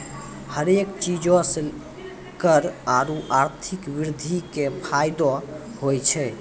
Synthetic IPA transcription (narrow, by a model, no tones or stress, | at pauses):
həɾekt͡ʃid͡ʒɔ̃s | kəɾaɾuʔaɾt̪ʰikʋiɾd̪ʱikepʰajd̪ɔhojt͡ʃʰɛ